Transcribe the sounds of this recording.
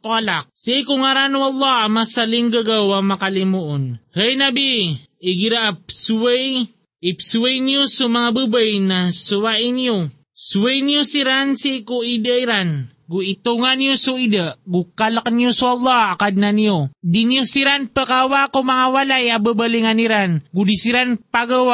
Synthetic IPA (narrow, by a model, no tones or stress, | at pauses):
t̪alak̚sikuŋaɾanuɑlˠˤːɑhamasaliŋɡaɡawamakalimuʔʊnhəjnabiiɡiɾaʔap̚suwej | ipsuwajnijosumaŋabəbajnasuwaʔinijo | suəjnijusiɾansikuidəiɾan | ɡuit̪uŋaniosuidəʔɡukaləkniosuɑlˠˤːɑhakad̚naniodiniusiɾanpəkawakumaŋawalajabəbəliŋaniɾanɡudisiɾanpaɡawa